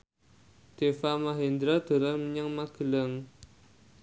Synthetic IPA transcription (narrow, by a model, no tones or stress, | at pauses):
d̪̥efamaɦend̪ɾad̪̥o̤lanməɲaŋmaɡ̥əlaŋ